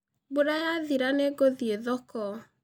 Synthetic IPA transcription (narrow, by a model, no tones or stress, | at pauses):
boɾajaðiɾaneɡoðieðɔkɔ